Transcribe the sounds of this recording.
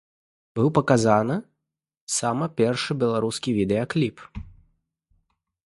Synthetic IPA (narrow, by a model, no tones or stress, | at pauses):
bɨwpɐkazanɨ | samɐpʲɛrʂɨbʲɛlˠaɾuskʲivʲid̪ɛɐklʲip